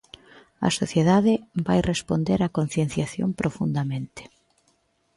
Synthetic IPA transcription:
ɐ̰soθjeðaðɪbajrespond̪eɾakon̟θjen̟θjaθjo̰mpɾofund̪amẽnt̪ɪ̥

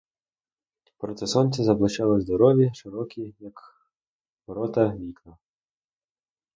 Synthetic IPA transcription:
pɾɔt̪ɛsɔnʲt͡s̪ʲɛzɐblˠɐt͡ʃɑlˠɔzd̪ɔɾɔʋʲjiʃɪɾɔkʲijɐk | pɔɾɔt̪ɐʋʲiklˠɐ

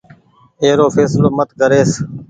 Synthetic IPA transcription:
eːɾoːfʰeːsloːmət̪ɡəɾeːs

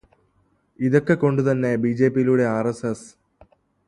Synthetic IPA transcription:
iðo̞kːe̞ko̞ɳɖut̪ɐnːe̞bid͡ʑe̞ːpijiluɽe̞aːreses

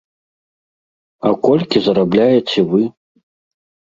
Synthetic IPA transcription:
akʷolʲkʲizaɾablʲajet͡sʰewɨ

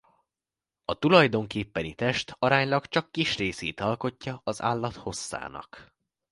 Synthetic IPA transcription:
ɒt̪ulɒjd̪o̞ŋkeːpːɛnit̪ɛʃt̪ʰɒɾaːɲlɒkt͡ʃɒkːiʃreːseːt̪ɒlko̞cːɒɒza̰ːlːɒt̪ho̞sːa̰ːnɒ̰k

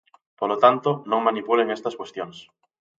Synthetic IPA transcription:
poɾlot̪ant̪onõŋmãnipuleŋest̪askwest̪jons

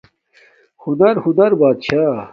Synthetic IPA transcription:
hunɐɾhunɐɾbaːd̪ɕaː

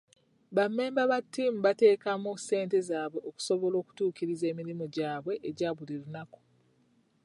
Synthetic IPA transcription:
βamːe̞ːmbaβatːiːmuβate̞ːkamuse̞ːnte̞zaːβwe̞ʔoku̥so̞βo̞lo̞ːku̥tuːkiɾize̞ːmiɾimo̞ɟaːβwe̞ʔːɟaːβuliɾunako̥

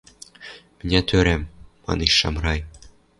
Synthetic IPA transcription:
mɘ̆nʲæt̪ʰøɾæmː | ɑ̰niʃːɑ̰mrɑj

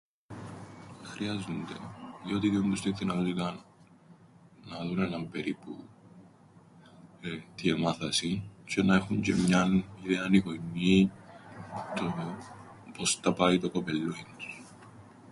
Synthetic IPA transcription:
xɾiɐzund̪e̞ðio̞t̪iðiomd̪ust̪iθinɐðut̪ik̪ɐn | nɐðunenɐmbe̞ɾipu | t̪iemɐθɐsicenɐe̞xuɲɟe̞̰mɲɐniðeɐnikonːi | t̪o | post̪ɐpɐit̪okopelːoins

